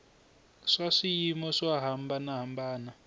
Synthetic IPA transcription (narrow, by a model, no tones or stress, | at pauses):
ʂaʂijimɔʂwaɦambanaɦambaːna